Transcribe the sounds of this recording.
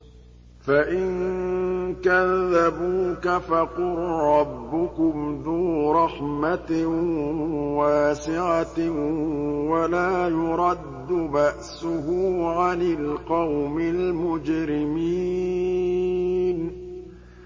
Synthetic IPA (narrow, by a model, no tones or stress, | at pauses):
faʔɪn | kaðːabuːkafaqʊɾɾɑbːʊkʊmd̪uːɾˤɑħmat̪ | waːsɪʕat̪ | walaːjʊɾˤɑd̪ːʊbaʔsʊhʊːʕanɪlqɑwmɪlmʊd͡ʒɾɪmiː | n